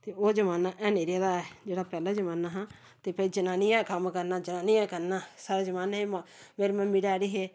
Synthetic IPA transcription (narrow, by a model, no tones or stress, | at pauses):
t̪eːoːd͡ʒəmaːnaːʔɛːneːɾjaːd̪aːɛːd͡ʒeːɽaːpɛːlaːd͡ʒəmaːnaːɦãː | t̪eːpəiːd͡ʒənaːnɪjãːkəmkəɾnaːd͡ʒənaːnijãːkəɾnãːsaːɾeːd͡ʒəmaːnaɦeːmãmeːɾmɛ̃ːmɪɽaːɽiːɦeː